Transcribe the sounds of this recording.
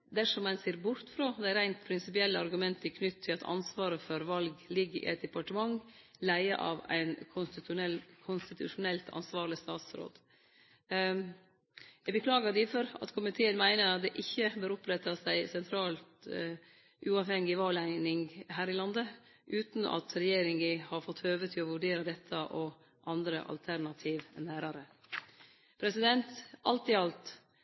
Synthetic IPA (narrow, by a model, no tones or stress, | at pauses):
d̪æʂɔmːɛnseːɾbʊɾt̪fɾoːd̪æɪɾæɪnt̪pʰɾɪnsɪpɪɛlːəɑɾɡʉmɛnt̪əɪkʰnʉt̪ʰːɪlɑt̪ʰɑ̰nsʋɑːɾəfɔɾʋɑlɡlɪɡːəɾʔɪ̰ʔɛt̪̚d̪ɛpɑʈəmɑŋlæɪə̰ʔɑ̰ʋæ̰ɪnʰʊ | kʰʊnst̪ɪt̪ʰʉ̰ʂʊnɛlt̪ʰɑ̰nsʋɑːɾɭɪst̪ɑːt̪sɾo̰ːd̪ | jɛɡbəkʰlɑːɡɑd̪ɪfɔɾɑ̰t̪kʰʊmɪt̪ʰeːənmæɪnəɾɑt̪̚d̪ɛʔɪçːəbøːɾʊpɾɛt̪ːɑsæɪsɛnt̪ʰɾɑːlt̪ | ʔʉːɑːʋhɛŋɡɪʋɑːlæɪnɪŋɦæːɾɪlɑnd̪ə | ʔʉːt̪n̩ʔɑ̰t̪ʰɾɛjeːɾɪŋɡɪhɑɾfɔt̪ʰːøːʋət̪ʰɪlɔʋʉɖeːɾəd̪ɛt̪ʰːəʔɔ | ʔɑnd̪ɾə̰ʔɑ̰lt̪ʰæɾnɑt̪ʰiːʋnːæːɾɑɾə | pʰɾɛsɪd̪ɛnt̪ʔɑ̰lt̪ɪɑlt̪